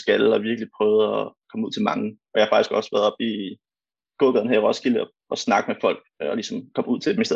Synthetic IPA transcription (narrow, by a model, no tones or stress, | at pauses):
sɡ̥ælɒ̽ʋiɐɡ̥əlipʰʁœːʊð̞̩ˠɒkʰɒ̽məuð̰ˠt͡sʰe̝lmɑ̈ŋɒjɑhɑ̈fɑ̈ɡ̥isɡ̥ɒ̽sʋæɐð̩ˠɒ̽b̥i | ɡ̥oːɡ̥ðˠnhæʁɒ̽sɡ̥ilə | ɒ̽snɑ̈ɡ̥mefɒ̽l̰ɡ̥ɒlisɒ̽mkʰɒ̽muð̞̰ˠt͡sʰe̝d̥emisd̥e